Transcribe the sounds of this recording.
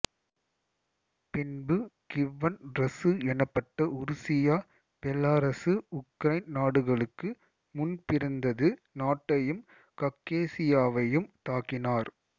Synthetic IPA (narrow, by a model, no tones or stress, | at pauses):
pɪnbɯkɪʋɐnɾɐsɯɛnɐpːɐʈːɐʊɾʊsɪjaː | b̥ɛlaːɾɐsɯʊkɾɐɪnnaːɽɯɣɐɭɯkːɯ | mʊnpɪɾɐnd̪ɐðɯ | naːʈːɐjɯm | kɐkːeːsɪjaːʋɐjɯmt̪aːkɪnaːɾ